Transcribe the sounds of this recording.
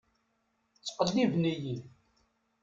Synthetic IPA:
t͡sːqəlːivnijin

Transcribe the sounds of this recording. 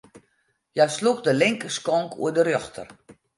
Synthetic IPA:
jaslukdəlɪŋkəskɔŋkʰṵədərjɔxtʰə̰r

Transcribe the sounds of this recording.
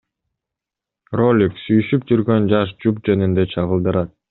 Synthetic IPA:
ro̞lʲiksyjyʃyp̚d͡ʒyɾɡø̞nd͡ʒɑʃ̬d͡ʒup̚d͡ʒe̞nind̪e̞t͡ʃʰɑʁəlˠd̪ɯɾɑt̪̚

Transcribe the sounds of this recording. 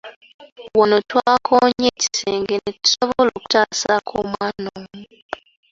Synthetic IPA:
wonotwaːkʰoɲeːci̥seːŋɡeneci̥soβoloːku̥taːsakʰoːmwaːnoːmu

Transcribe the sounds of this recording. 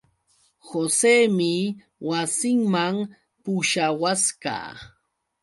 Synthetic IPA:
xoseːmɪ | wasɪŋmaŋ | pʊʃawaska̰ː

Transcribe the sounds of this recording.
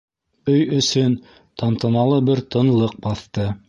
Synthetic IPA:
ɵjɵ̆sɵn | t̪ɑnt̪ɤ̆nɑlˠɤbɘɾt̪ɤ̆nlˠɤq̚bɑθt̪ɤ

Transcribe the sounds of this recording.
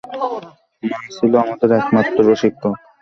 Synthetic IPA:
mansʰiloamod̪eɾɛkmat̪ːɾoɾoʃik̪̚o

